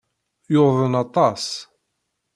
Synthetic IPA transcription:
joðˤənɑt̪ˤɑs

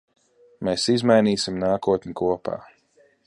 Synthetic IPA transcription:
meːsizmajniːsimnaːkuɔt̪nʲikuɔpa̰ː

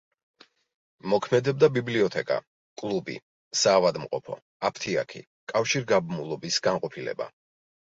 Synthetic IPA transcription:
mɔkʰmɛd̪ɛb̚d̪abibliɔt̪ʰɛkʼa̰ | kʼlˠubḭ | saːvad̪mqʼɔpʰɔ̰ | apʰt̪ʰia̰kʰḭ | kʼafʃiɾɡabmulˠɔbisɡanqʼɔpʰilɛ̰ba̰

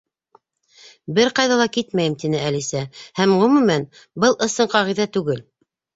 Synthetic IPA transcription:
bɘɾqɑjðɑlˠɑkit̪mæjɘmt̪inɘælisæhæmʁɵ̆mʉmæn | bɤlˠʔɤ̆sɤɴqɑʁiðæt̪ʉɡɘl

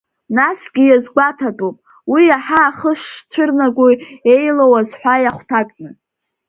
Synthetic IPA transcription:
nasɡʲijazɡʷatʰatʼupʼ | wiaħaːχəʂt͡ʃʷʰɨrnaɡʷue̞jlowazħʷajaχʷtʰakʼnɨ

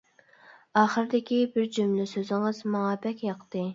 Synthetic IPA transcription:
ɑːχəɾɪd̪ɪkʲibɪɾd͡ʒymlɪsøzɪŋɨzmɑŋɑbɛkʲjɑqt̪ɨ

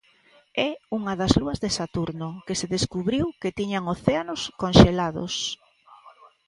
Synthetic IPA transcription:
ɛuŋɐðɐzluɐzðesat̪uɾnokeseðeskuβɾiwket̪iɲaŋoθeanoskonʃelaðʊ̰s

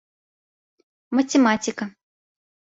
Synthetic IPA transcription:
mɐtʲɛmat͡sʲikɐ

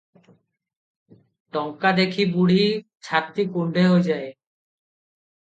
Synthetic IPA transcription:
ʈɔŋkad̪ekʰibuɽ̤i | t͡ɕʰaɾt̪ːikuɳɖʱeɦojd͡ʑae

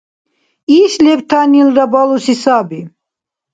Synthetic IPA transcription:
iʃlɛpt̪ʰanilɾabalusisabi

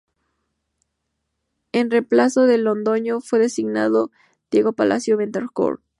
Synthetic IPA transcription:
enreplaso̞ðelond̪o̞ɲofwe̞ðe̞siɣnaðo | d̪̥je̞ɣo̞palʔa̰sjoβent̪eɾko̰ɾ

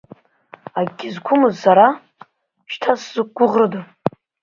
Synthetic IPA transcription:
aɡʲizkʷʰʊmɨzːaɾa | ʃtʰasz̥ɨk̚ɡʷʊʁrɨdɨ

